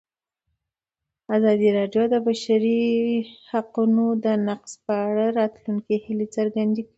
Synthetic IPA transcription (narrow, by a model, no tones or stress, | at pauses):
azɑd̪iɾɑɖjod̪əbaʃaɾi | haqunod̪ənaqspəaɽaɾɑt̪luŋkihilet͡səɾɡand̪iɡ